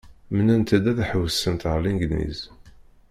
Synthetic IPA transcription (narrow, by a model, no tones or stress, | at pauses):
mənænt̪æd̪æðæħəwəsːənt̪ʁlinɡd̪nḭz